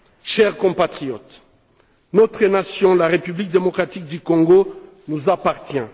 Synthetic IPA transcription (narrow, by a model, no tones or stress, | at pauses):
ʃɛʁkɔ̃pat̪χijɔt̪ | nɔt̪χənasjɔ̃laʁepyblik̚d̪emɔkχat̪ik̚d̪ykɔ̃ŋɡo | nuzapaʁt̪jɛ̃